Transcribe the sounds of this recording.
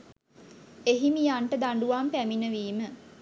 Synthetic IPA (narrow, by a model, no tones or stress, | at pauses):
eɦimijaɳʈəd̪aɳɖuʋampæminəʋiːmə